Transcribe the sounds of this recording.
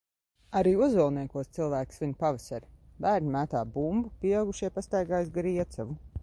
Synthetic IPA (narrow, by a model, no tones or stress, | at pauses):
aɾiːuzulˠniɛkuɔst̪silˠvæːksvʲiɲpavɛsaɾbæːɾnʲimæːt̪aːbumbupiɛaɡuʃiɛpast̪ajɡaːjsɡɾiɛt̪savu